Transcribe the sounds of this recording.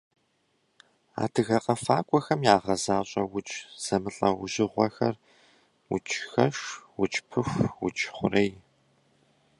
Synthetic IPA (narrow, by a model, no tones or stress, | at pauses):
a̰ːtʰɨɣɐqʼɐfaːkʷʼɔxɐmjaːʁɐzaːɕʼɐwʊt͡ʃʼz̥ɐmɨɬʼɐwʊʑɪʁʷɔxɐr | wʊ̰t͡ʃʰʼxɐʂwʊt͡ʃʼpʰɨxʷwʊ̰t͡ʃʼχʷʊrɐj